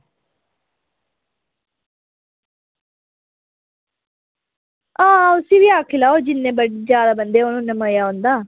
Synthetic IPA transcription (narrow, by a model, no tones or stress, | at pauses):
ãːʊsĩːʋiːaːkʰɪlaːoːd͡ʒɪnːẽːbəɽiːd͡ʒjaːd̪aːbənd̪eːoːnũːnəməːjaːɦõːnd̪aː